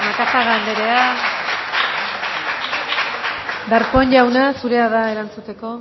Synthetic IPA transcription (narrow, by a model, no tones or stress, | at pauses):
makasaɣand̪eɾe̞a | d̪aɾkoenʝawnasuɾe̞aðae̞ɾant͡sut̪e̞ko̞